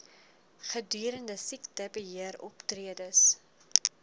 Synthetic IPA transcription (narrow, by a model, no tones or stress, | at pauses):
χədyːɾəndəsiktəbəɦiəɾɔptriədəs